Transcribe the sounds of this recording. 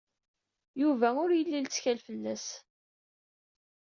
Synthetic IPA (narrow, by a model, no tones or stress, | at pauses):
juvæʊɾjəlːilt͡sːçælfəlːæs